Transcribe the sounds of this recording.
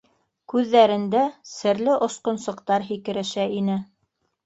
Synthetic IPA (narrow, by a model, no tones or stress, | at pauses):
kʉðːæɾɘ̆nd̪æsɘ̆ɾlɘʔŏsqŏnsɤ̆qt̪ɑɾɦikɘ̆ɾɘ̆ʃæinɘ